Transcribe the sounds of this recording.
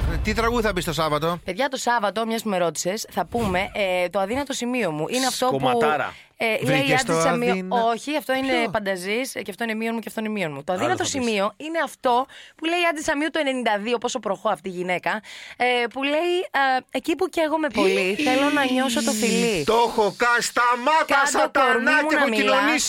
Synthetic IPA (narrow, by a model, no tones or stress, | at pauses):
t̪it̪ɾɐɣuðiθɐbist̪osɐvɐt̪ope̞ðʝɐt̪o̞sɐvɐt̪o̞mɲɐsumeɾo̞t̪i̥sesθɐpume̞ʔt̪o̞ɐðinɐt̪o̞simio̞muʔineɐft̪o̞puɾɐ̰ | leiɐd̪isɐmiooçiɐft̪o̞inefɐnd̪ɐzisceɐft̪o̞inemio̞nmuceɐft̪oinemio̞nmut̪o̞ɐðinɐt̪o̞simio̞ine̞ɐft̪o̞pule̞iɐd̪isɐmiut̪oe̞ne̞nind̪ɐðiopo̞so̞pɾo̞xo̞ɐft̪iːʝine̞kɐ | pule̞iecipuceɣome̞po̞liθe̞lo̞nɐɲo̞s̬ot̪ofilit̪oxokɐnst̪ɐmɐt̪kɐt̪k̪oɾnimunɐomiilnoɐnis